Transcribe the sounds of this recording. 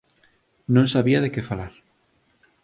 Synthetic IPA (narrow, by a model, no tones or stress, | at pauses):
nõŋsaβiɐðekefalaɾ